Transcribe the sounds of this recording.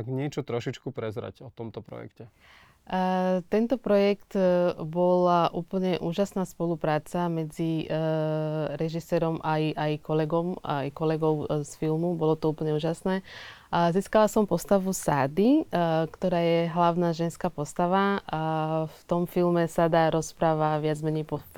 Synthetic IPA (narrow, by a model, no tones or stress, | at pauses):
aɡɲɛt͡ʃɔt̪ɾɔʃit͡ʃkupɾɛzɾa̰cɔt̪ɔmt̪ɔpɾɔ̰jɛ̰kcɛ | t̪ɛnt̪ɔpɾɔjɛkt̪bɔlaʔuːpl̩ɲɛʔuːʒasnaːspɔlupɾaːt͡samɛd͡zi | ɾɛʒisɛːɾɔmajajkɔlɛɡɔma̰jkɔlɛɡɔʊsfilmubɔlɔt̪ɔuːpl̩ɲɛuːʒasnɛːziːskalasɔmpɔst̪aʋusaːd̪ikt̪ɔɾaːjɛɦlaʊnaːʒɛnskaːpɔst̪aʋa | ft̪ɔmfilmɛsad̪aːɾɔspɾaːʋaʋɪad͡zmɛɲɛjpɔ